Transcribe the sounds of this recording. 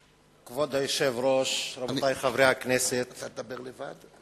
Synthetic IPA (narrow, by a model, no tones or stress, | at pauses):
kvod̪hajoʃevɾoʃɾabot̪ajχavɾeakneset̪t̪at̪̚d̪abeʁlevad̪